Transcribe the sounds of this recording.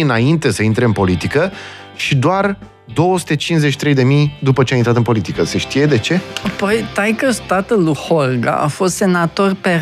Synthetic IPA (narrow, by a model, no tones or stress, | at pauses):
ɨnaint̪e̞səint̪ɾe̞ɨnpo̞lit̪ikə | ʃid̪oar | d̪o̞wəsu̥t̪e̞t͡ʃinszet͡ʃi̥t̪ɾe̞jd̪e̞mijd̪upət͡ʃeamjint̪ɾat̪ɨnpo̞lit̪ikəseʃt̪ije̞d̪e̞t͡ʃe̞apojt̪ajkəst̪at̪əluhorɡa̰ʔa̰fo̞st̪se̞nat̪o̞rpe